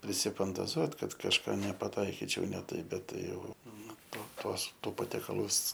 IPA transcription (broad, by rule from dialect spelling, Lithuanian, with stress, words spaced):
pʲrʲɪsʲɪfɐntɐˈzuɔt ˈkɐt kɐʃˈkɑː nʲɛpɐˈtɐɪkʲɪt͡ʃʲɛʊ nʲɛ ˈtɐɪp ˈbʲɛt ˈtɐɪ ˈjɛʊ ˈnʊ ˈtoː ˈtuɔs ˈtuː pɐtʲiɛkɐˈlˠʊs